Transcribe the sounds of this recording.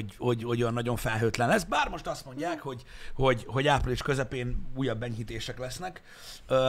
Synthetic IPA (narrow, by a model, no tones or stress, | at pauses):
ho̞ɟhoɟønːɒɟo̞ɱfɛlɦøːt̪lɛnlɛsbaːrmo̞ʃt̪ɒst̪mo̞ɲɟaːkho̞ɟho̞ɟho̞ɟaːpriliʃkø̞zɛpeːnuːjɒbːɛɲɦit̪eːʃɛklɛsnɛkː